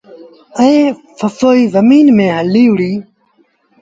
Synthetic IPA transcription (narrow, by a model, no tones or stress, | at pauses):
əẽːfəfoːiːzəmiːnmẽːɦəliːʊɽiː